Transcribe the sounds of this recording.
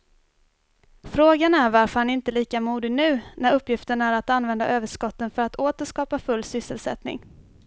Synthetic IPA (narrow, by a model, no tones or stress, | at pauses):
fɾoːɡanæɾvaɾfœɾhanɪnt̪əliːkamuːd̪ɪnʉ̟ːnæɾɵpːjɪft̪əɳaæɾat̪anvɛnd̪a̰ʔøːvəʂkɔt̪ːənfœɾat̪ʰoːt̪əʂkɑːpafɵlːsʏsːəlsɛ̰t̪nɪ̰ŋ